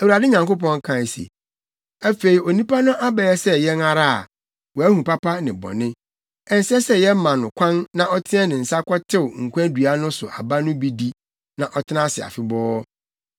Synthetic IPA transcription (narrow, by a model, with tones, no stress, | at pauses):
æ˨wu˨ɾa˨dɪ˦ɲã˨ŋko˦p̬ɔ̃˦ŋ˦kʰã˨sḛ˨ | æ˦fe˨i˨o˨nĩ˦pa˦nʊ̃˦ʔa˦bɛ˨˦ɛ˦sɛ˦jɛ˦na˨ɾa˦a̰˨ | wɔ˨æ˦hũ˨pa˦pʰa˦nɪ̃˨bɔ̰̃˨nɪ̃˦ | ɛ˨n̩˨sɛ˦sɛ˦jɛ˦m˦mã˨nʊ̃˨kʷʰã˦nːã˨ʔɔ˦tʰɪ̃˦ɛ˦nɪ̃˨n̩˨sa˦kʷʰɔ˦tʰɪ˦wʊ˨ŋ̩˨kʷʰã˦dɥa˦nʊ̃˦sʊ˨ʔa˨ba˦nʊ̃˦bi˦di˦ | nã˨ʔɔ˦tʰɪ˦nã˦sɪ˨a̰˨fɪ˦bɔː˦